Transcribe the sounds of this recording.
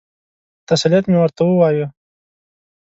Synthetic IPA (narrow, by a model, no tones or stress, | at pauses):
t̪asalijat̪mewəɾt̪awəwaju